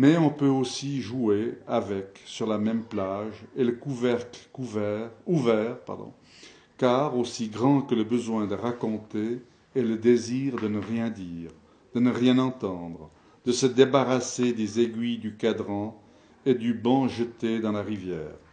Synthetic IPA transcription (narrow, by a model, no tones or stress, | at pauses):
mɛɔ̃pøosiʒueavɛksyʁlamɛmplaʒeləkuvɛʁklkuvɛuvɛʁpa̰ʁd̪ɔ̰̃ | kaʁosiɡʁɑ̃kələbəzwɛ̃d̪əʁakɔ̃t̪e | ɛləd̪eziʁd̪ənəʁjɛ̃d̪iːʁ | d̪ənəʁjɛ̃nɑ̃t̪ɑ̃d̪ʁə | d̪əsəd̪ebaʁased̪ezeɡɥid̪ykad̪ʁɑ̃ | ed̪ybɑ̃ʒət̪ed̪ɑ̃laʁivjɛ̰ːʁ